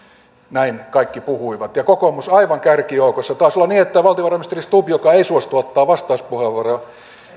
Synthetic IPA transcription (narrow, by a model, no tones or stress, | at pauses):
næinkɑikːipuhuiʋɑt̪jɑkokomusɑiʋɑŋkærkijoukosːɑt̪oɑˑːsolːɑniːet̪ːæʋɑlt̪ioʋɑrɑmist̪erist̪upjokɑeisuost̪uot̪ːɑːʋɑst̪ɑˑuspuheʋːɑrɑ